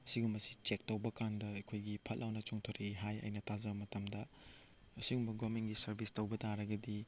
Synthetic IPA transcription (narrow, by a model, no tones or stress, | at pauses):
ɐsiɡumbɐsi̥t͡ʃek̚towbɐkandɐɐkʰojɡipʰɐt̚lʔawnɐt͡ʃoŋtʰoɾʔiɦajɐ̰jnɐtʰazɐbɐmɐtɐmdɐː | siɡumbɐɡomenɡisɐɾbʱistɐwbɐtaɾɐɡɐdi